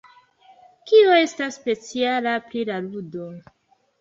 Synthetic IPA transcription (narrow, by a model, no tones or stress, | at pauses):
kio̞e̞stasːpe̞t͡sialapɾilaludo̞